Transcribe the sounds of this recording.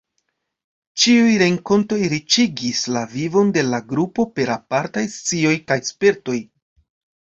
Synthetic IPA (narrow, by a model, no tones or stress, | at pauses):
t͡ʃiujɾe̞ŋko̞nto̞jɾit͡ʃiɡislavivo̞nde̞laɡɾupo̞pe̞ɾapaɾtajst͡sio̞jkajspe̞ɾto̞j